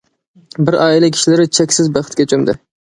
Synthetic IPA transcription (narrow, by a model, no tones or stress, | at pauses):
bɪɾɑːilˠɪkʲʰi̥ʃilɪɾɪt͡ʃʰɛkʲsɪzbæχət̪̚kʲɛt͡ʃʰømd̪ɪ̰